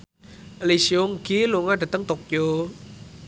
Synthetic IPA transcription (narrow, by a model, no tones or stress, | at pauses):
lisioŋɡiluŋaɖa̤t̪əŋt̪ok̚jo